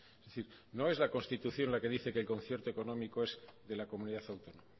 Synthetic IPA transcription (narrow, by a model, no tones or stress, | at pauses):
ezðeθiɾ | no̞e̞zlako̞nst̪it̪uθjo̞nlake̞ðiθe̞kelko̞n̟θje̞ɾt̪oe̞ko̞nõ̞mikoe̞zðe̞lako̞muniðaθawt̪o̞noma